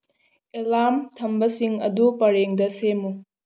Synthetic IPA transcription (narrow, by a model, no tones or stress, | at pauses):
elamtʰɐmbɐsiŋɐdupɐɾeŋdɐsemu